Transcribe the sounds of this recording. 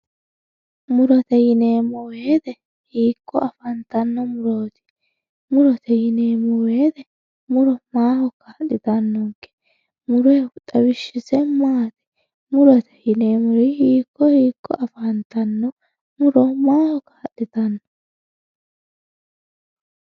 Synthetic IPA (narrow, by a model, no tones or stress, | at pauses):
mʊɾɔt̪ɛjɪneːmːɔweːd̪ɛ | hiːkːɔ̰ɐfɐnt̪ɐnːɔmʊɾoːt̪ɪ̥ | mʊɾɔt̪ʰɛjɪneːmɔweːd̪ɛ | mʊɾɔmaːhɔkaːɗɪt̪ɐnːɔŋkːɛ̥ | mʊɾɔjt̪ʼɐwɪʃːɪsɛmaːt̪ɛ̥ | mʊɾɔt̪ɛ̥jɪne̞ːmʊɾɪhiːkːɔhiːkːɔ̰ʔɐfɐnt̪ɐnːɔ | mʊɾɔmaːhɔkaːɗːɪt̪ɐnːɔ